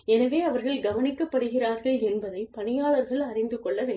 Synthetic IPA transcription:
ɛnɐʋeːɐʋɐɾɣɐɭɡɐʋɐnɪkːɐpːɐɽɯɣɪraːɾɣɐɭɛnbɐðɐɪpɐnɪjaːɭɐɾɣɐɭɐrɪnd̪ɯkːɔɭːɐʋeː

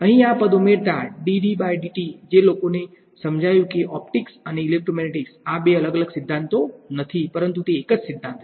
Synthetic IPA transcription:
ə̃ɦĩapəd̪ʱumeɾd̪aɖiɖiɓajɖiʈid͡ʒelokone | səmd͡ʒʱajũkeʔɔpʈɪksəneilek̚ʈomɛneʈɪksabeələɡələɡsɪd̪ʱːãnt̪onət̪ʰipəɾənt̪ut̪eːkəd͡ʒsɪd̪ʱːãnt̪

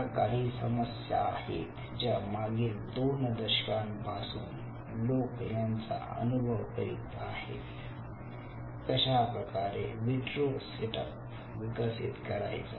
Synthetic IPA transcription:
kaːɾisɐməsja̰ːhḛt̪ | d͡ʒamaːɡiːɾd̪oːnd̪əʃkaːnbʱaːsuːn | loːkenant͡sa̰ə̰nubʱəʋkəɾit̪aːhḛːt̪ | kɐɕapɾɐkaːɾeʋiʈɾoseʈəp | ʋikəsḭt̪kɐɾa̰ːjt͡sa

